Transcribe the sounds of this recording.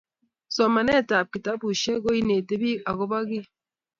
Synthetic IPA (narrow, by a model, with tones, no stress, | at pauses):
sɔ˨ma˨nɛ˦˨ta˨p̚ki˨ta˨˦bu˨ʃe˦ɡo˦i˦ne˨te˦bi˦a˨ɣo˦ba˦ɡi˦